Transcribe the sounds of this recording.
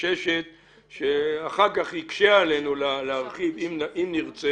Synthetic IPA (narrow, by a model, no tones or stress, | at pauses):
eʃet̪̚ | ʃeaχaʁkaχhikʃeaale̞nulaleaʁχivimʔimniʁt͡se